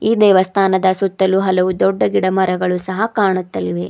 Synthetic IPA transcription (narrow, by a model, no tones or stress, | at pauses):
iːd̪ɛːʋɐst̪ʰaːnɐd̪ɐsut̪ːɐluɦɐlɐʋud̪ɔɖːɐɡiɽɐmɐɾɐɡɐɭusɐɦɐkaːɳut̪ːɐliʋe̞